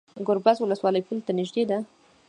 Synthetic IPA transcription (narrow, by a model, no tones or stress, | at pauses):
ɡʊɾbazwʊləswɑləjpult̪anɪʒd̪ed̪a